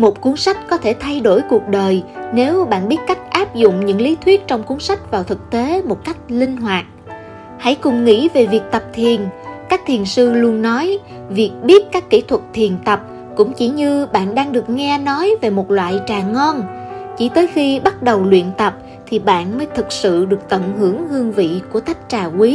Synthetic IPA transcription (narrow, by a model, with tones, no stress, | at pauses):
mo˨˩t̚ku˨˦ənsa˦˥jk̟̚kɔ˨˦t̪ʰe˧˩t̪ʰa˧jɗo˧˩jku˨˩ək̚ɗəː˨˩jne˨˦wɓa̰ː˧˨nɓi˦˥ət̚ka˦˥jk̚ʔaː˦˥p̚zʊ̰˧˨ŋ͡mɲɨ̰˧˥ŋli˨˦t̪ʰwi˦˥ət̚t͡ɕɔ˧wŋ͡mku˨˦ənsa˦˥jk̟̚vaː˨˩wt̪ʰɨ˨˩k̚t̪e˨˦mo˨˩t̚ka˦˥jk̟̚lï˧ŋ̟ɦwaː˨˩t̚ | ha̰˧˥jkʊ˨˩ŋ͡mŋḭ˧˥ve˨˩vi˨˩ək̚t̪ə˨˩p̚t̪ʰi˨˩ənkaː˦˥k̚t̪ʰi˨˩ənsɨ˧lu˧ənːɔ˨˦j | vi˨˩ək̚ɓi˦˥ət̚kaː˦˥kːi˧˩t̪ʰwə˨˩t̚t̪ʰi˨˩ənt̪ə˨˩p̚ | kʊ̰˧˥ŋ͡mt͡ɕi˧˩ɲɨ˧ɓa̰ː˧˨nɗaː˧ŋɗɨ˨˩ək̚ŋɛ˧nɔ˨˦jve˨˩mo˨˩t̚lwa̰ː˧˨jt͡ɕaː˨˩ŋɔ˧nt͡ɕi˧˩t̪əː˨˦jxi˧ɓa˦˥t̚ɗə˨˩wlwḭ˧˨ənt̪ə˨˩p̚ | t̪ʰi˨˩ɓa̰ː˧˨nməː˨˦jt̪ʰɨ˨˩k̚sɨ̰˧˨ɗɨ˨˩ək̚t̪ə̰˧˨nɦɨ˧˩əŋhɨ˧əŋvḭ˧˨ku˧˩ət̪a˦˥jk̚t͡ɕaː˨˩kwi˨˦